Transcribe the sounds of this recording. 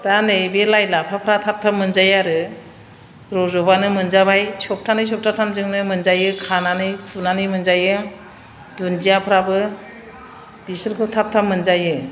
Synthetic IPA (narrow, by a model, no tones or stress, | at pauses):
d̥anɯjbelajlapʰapʰɾatʰap̚tʰap̚mɯnzajaɾɯ | ɾɔzɔbanɯmɯnzabajsɔp̚tʰanɯjs̬ɔk̚tʰatʰamzɯŋnɯmɯnzajɯkʰananɯjpʰunanɯjmɯnzajɯ | dund͡ʒijapʰɾabɯ | bisɯɾkʰɯtʰap̚tʰap̚mɯnzajɯ